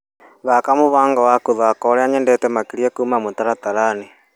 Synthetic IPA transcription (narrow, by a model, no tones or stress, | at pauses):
ðakamuβaːŋɡawakuðakɔɾɛaɲɛndɛtɛmakiɾiɛkumamotaɾataɾane